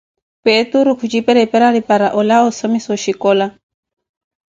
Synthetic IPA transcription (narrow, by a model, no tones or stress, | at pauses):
pet̪uɾukʰud͡ʒipɛɾɛpɛɾaɾipaɾaʔɔlaɔsɔmisɔʃikɔla